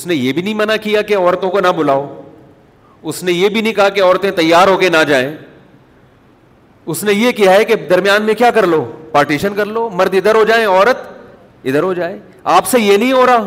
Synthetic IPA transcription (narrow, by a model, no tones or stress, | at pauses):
ʊsnejebʱinɐɦĩmɐnakijakeɔːɾt̪õkonabʊlaːoː | ʊsnejebʱinɐɦĩkɐɦakeɔːɾt̪ẽt̪ɐjːaːɾɦoːkenad͡ʒaːẽː | ʊsnejekijaɦɛked̪ɐɾmijaːnmẽkjaːkɐɾloːpaːɾʈiːʃənkɐɾloːmɐɾd̪ɪd̪əɾɦod͡ʒaːẽɔːɾət̪ | ɪd̪əɾɦod͡ʒaːẽː | aːpsejenɐɦĩɦoːɾaː